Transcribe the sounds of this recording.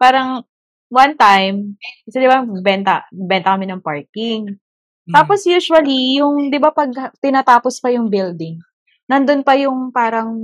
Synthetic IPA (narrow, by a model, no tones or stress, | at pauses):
paːɾɐŋ | wɐnt̪ajmsɛd̪ɪbaɡ̚bɛnt̪ɐbɛnt̪ɐkɐmɛnɐŋpaɹkɪŋ | t̪aːposjuːʃwɐlijʊŋd̪ɪbapɐɡ̚t̪ɪnat̪aːpospɐjʊŋbɪld̪ɪŋ | nɐnd̪onpɐjʊŋpaːɾɐŋ